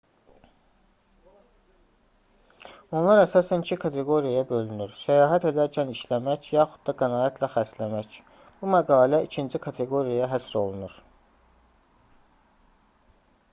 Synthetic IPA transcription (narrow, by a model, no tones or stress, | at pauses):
onlˠɑɾæsɑːsænicʰikʰɑt̪ʰe̞ɡo̞ɾijajɑbø̞lynyɾsæjɑːɦæt̪e̞d̪æɾcʰæniʃlæmæçjɑːxud̪̥̚d̪ɑɡænɑːjæt̪ʰlæxæslæmæc | b̥umæɡɑːlæicʰind͡ʒikʰɑt̪ʰe̞ɡo̞ɾijajɑɦæsɾo̞lˠunuɾ̥